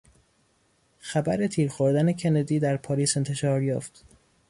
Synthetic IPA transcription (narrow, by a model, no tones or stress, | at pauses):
xæbæɾe̞t̪ʰiːɾxoɾd̪æne̞cʰe̞ned̪iːd̪æɾpʰɒːliːse̞nt̪ʰe̞ʃɒːɾjɒ̰ːft̪